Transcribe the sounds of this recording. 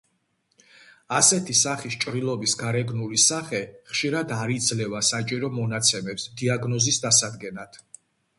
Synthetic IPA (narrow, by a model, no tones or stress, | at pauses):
asɛt̪ʰisaχist͡ʃʼɾilˠɔbisɡaɾɛɡnulisaχɛχʃiɾad̪aɾid̪zlɛvasat͡ʃʼiɾɔmɔnat̪sʰɛmɛpsd̪iaɡnɔzisd̪asad̪ɡɛnat̪ʰ